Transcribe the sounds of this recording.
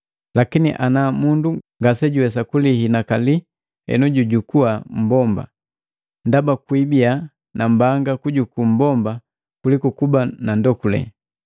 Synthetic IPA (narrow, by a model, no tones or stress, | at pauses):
lakinḭʔanamunduŋɡasɛɟuwɛs̬akulihinakali | hɛ̰nuɟuɟukuam̩bɔmba̰ | ndabakwibia | nambaŋɡakuɟukum̩bɔmba | kulikukubanandɔkulɛ̰